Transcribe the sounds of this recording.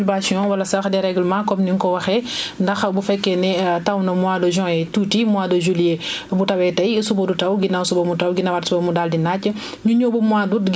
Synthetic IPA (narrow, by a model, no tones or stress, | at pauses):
basjɔ̃wɐlɐsaxdɛɾɛɡlmãkɔmniŋkɔwɐxɛndɐxbufɛkːɛnɛtɐwnɐmuadɔʒɔ̃ːɛtuːtimuaːdɔʒuliebutɐwɛtɐjsubɐdutɐwɡinawsubɐmutɐwɡinɐwatsubɐmudaldinat͡ʃːə | ɲuɲobɔmuaːduɡ